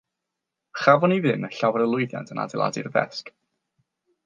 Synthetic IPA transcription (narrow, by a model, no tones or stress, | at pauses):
χavɔnivɨnəɬawəɾəlˠʊɨðja̰ntʰəna̰dɛlˠa̰dɪ̰rvɛ̰sk